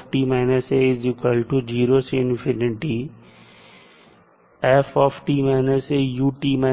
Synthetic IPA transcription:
ʈimaɪnəseɪzɪkwəlʈud͡ʒiːɾosɪnfɪnɪʈi | ɛfɔfʈimanəsejuːʈiːma

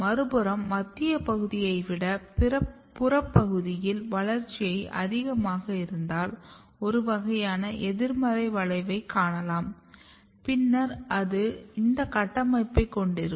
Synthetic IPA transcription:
mɐɾɯbɯɾɐmːɐt̪ːɪjɐpɐɣɯðɪjɐɪʋɪɽɐpɾɐ | pːʊɾɐpːɐɣɯðɪjɪlʋɐɭɐɾt͡ʃːɪjɐɪʔɐ̰ðɪɣɐmaːɣɐɪɾɯnd̪aːl | ɔɾɯʋɐɣɐjaːnɐʔɛðɪɾmɐɾɐɪʋɐɭɐɪʋɐɪkːaːɳɐlaːm | pɪnːɐɾɐðɯɪnd̪ɐkɐʈːɐmɐɪpːɐɪkːɔɳɖɪɾɯ

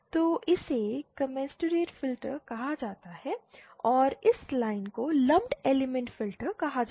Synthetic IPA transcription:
t̪oːʔɪsekɐmɛ̃ːsʈəɾeːʈfɪlʈəɾkɐɦad͡ʒaːt̪aɦɛɔːɾɪslaːɪnkolɐ̃mʈeːlemɛ̃ɳʈfɪlʈəɾkɐɦad͡ʒ

